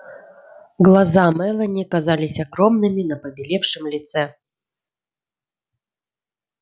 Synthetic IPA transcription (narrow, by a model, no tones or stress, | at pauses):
ɡlˠɐzamɛlˠənʲɪkazalʲɪsʲɐɡɾo̞mnɨmʲɪnəpəbʲɪlʲe̞fʂɨmlʲɪt̪sɛ